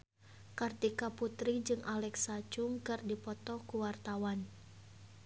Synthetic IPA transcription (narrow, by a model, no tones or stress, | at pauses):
kart̪ikaput̪ɾid͡ʒɨŋʔalɛksat͡ʃuŋkɨrdipɔt̪ɔkuwart̪awan